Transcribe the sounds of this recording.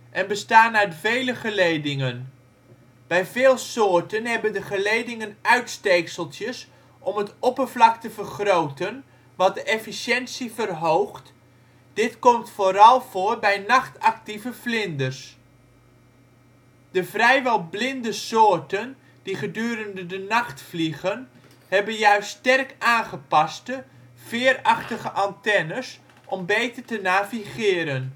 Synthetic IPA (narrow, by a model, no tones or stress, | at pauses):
ʔɛnbəstaːnaɹdəvejləχəlejdɪŋən | b̥ɛjvɪːlˠsʊːɹtənɦɛbəndəχəlejdɪŋənœɥtstejksəlˠtjəs | ʔɔmətɔpəɹvlɑktəvərχrowtən | ʋɑt̚dəʔɛfisjɛnsivərɦowχt | d̥ɪtkɔmtfoːɾɑlˠv̥ʊːrbɛjnɑχtɑk̚tivəflɪndərs | d̥əvrɛjʋɛlˠblɪndəsoːrtən | d̥iχədyːɾəndədənɑχtfliɣən | hɛbənjœɥstːtɛrkaːnχəpɑstə | fɪːərɑχtəχəʔantɛnəs | ʔɔmbejtərtənaːviχɪːɾən